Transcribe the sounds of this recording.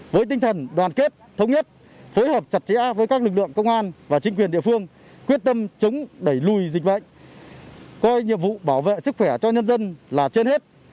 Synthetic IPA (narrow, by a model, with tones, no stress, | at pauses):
vəː˨˦jt̪̬i˧ŋ̟t̪ʰə˨˩nɗwaː˨˩nke˦˥t̚t̪ʰə˨˦wŋ͡mɲə˦˥t̚ | fo˨˦jhəː˨˩p̚t͡ɕa˨˩t̚t͡ɕɛ̰˧˥vəː˨˦jkaː˦˥k̚lɨ˨˩k̚lɨ̰˧˨əŋkə˧wŋ͡mʔaː˧nvaː˨˩t͡ɕï˨˦ŋkwɗḭ˧˨əfɨ˧əŋ | kwi˦˥ət̚t̪ə˧mt͡ɕʊ˨˦ŋ͡mɗə˧˩jlu˨˩jzi̟˨˩ɓə̰˧˨jŋ̟ | kɔ˧jɲḭ˧˨əmvṵ˧˨ɓaː˧˩wvḛ˧˨sɨ˦˥k̚xwɛ˧˩t͡ɕɔ˧ɲə˧nzə˧nlaː˨˩t͡ɕe˧nhe˦˥t̚